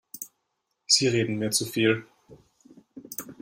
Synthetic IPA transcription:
z̥iːʁeːdn̩meːɐt͡sufiːl

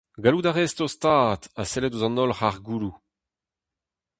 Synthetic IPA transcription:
ɡaludaʁɛstost̪aːtasɛlɛduzɑ̃nɔlχaʁɡuːlu

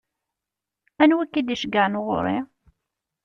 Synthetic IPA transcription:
ænwækːid̪iʃəɡaʕnʁʊ̰ɾˤḭ

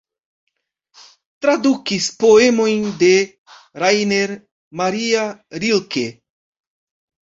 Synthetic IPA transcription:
t̪ɾad̪ukispoemo̞jnd̪e | ɾajneɾ | maɾiaɾilke

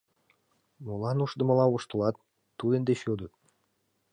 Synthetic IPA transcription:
molɑnuʃd̪ə̆mə̆lˠɑuʃt̪ə̆lˠɑt̪ː | ud̪end̪eɕod̪ə̆t̪̚

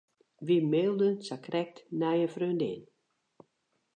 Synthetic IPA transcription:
ʋimeːlˠdənsakrɛk̚tnajəfrøndɪ̰n

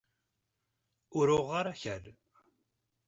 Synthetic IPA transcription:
ʊɾʊʁːaɾaçəɾ

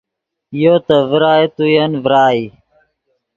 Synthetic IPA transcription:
ɪjoːt̪əʋəɾaːet̪ujənʋəɾaːiː

